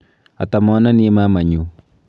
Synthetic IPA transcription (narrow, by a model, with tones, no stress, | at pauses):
a̰˨t̪a˨mɔ˦na˦ni˦e˦ma˦ma˨ɲu˨